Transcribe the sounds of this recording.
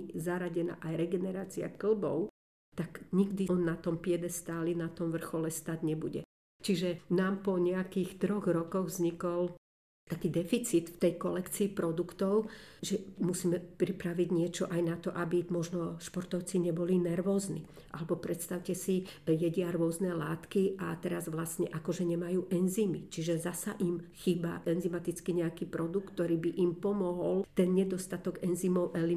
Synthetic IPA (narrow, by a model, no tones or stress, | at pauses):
zaɾaɟɛna̰ʔajɾɛɡɛnɛɾaːt͡sia̰kl̩bɔ̰ʊ | t̪akɲiɡd̪iɔnːat̪ɔmpɪɛd̪ɛst̪aːlinat̪ɔmʋr̩xɔlɛst̪aɟɲɛbuɟɛ̰ | t͡ʃiʒɛnaːmpɔɲɛakiːxt̪ɾɔɣɾɔkɔɣvzɲikɔl | t̪akiːd̪ɛfit͡sit̪ft̪ɛjkɔlɛkt͡siːpɾɔd̪ukt̪ɔʊʒɛmusiːmɛpɾipɾaʋiɟɲɪɛt͡ʃɔʔajnat̪ɔʔabimɔʒnɔʃpɔɾt̪ɔʊt͡siɲɛbɔlinɛɾʋɔːznḭː | ʔa̰lɛbɔpɾɛt̪st̪aʊcɛsijɛɟɪaɾʊɔznɛlaːt̪kiʔat̪ɛɾazʋlasɲɛʔakɔʒɛɲɛmajuːʔɛnziːmit͡ʃiʒɛzasa̰ʔimxiːba̰ʔɛnzimat̪it͡skiɲɛakiːpɾɔd̪uk̚t̪t̪ːɔɾiːbiʔimpɔmɔɦɔlt̪ɛnɲɛd̪ɔst̪at̪ɔɡɛnziːmɔʊʔɛli